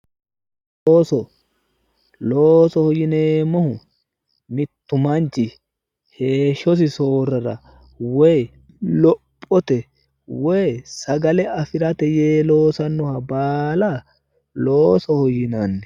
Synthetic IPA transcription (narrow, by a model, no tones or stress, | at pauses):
loːsɔ | loːsɔhɔjɪneːmɔhʊ | mɪt̪ːʊmɐnt͡ʃɪ | he̞ːʃːɔs̬ɪso̞ːrːɐɾɐ̰ | wɛj | lɔpʼːɔt̪ɛ | wɔjsɐɡɐlɛɐfɪɾɐt̪ɛjeːlo̞ːsɐnːʊhɐbaːla | loːsɔhɔjɪnanːɛ